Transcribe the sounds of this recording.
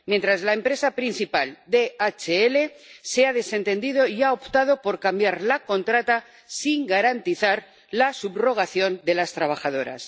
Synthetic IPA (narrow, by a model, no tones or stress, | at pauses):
mjent̪ɾazlae̞mpɾe̞sapɾin̟θipald̪e̞at͡ʃeele̞ | se̞aðe̞se̞nt̪e̞nd̪ið̞o̞iaopt̪aðo̞po̞ɾkambjaɾlako̞nt̪ɾat̪a | siŋɡaɾant̪iθaɾ | lasubro̞ɣ̞aθjo̞nd̪e̞last̪ɾaβ̞axað̞o̞ɾa̰s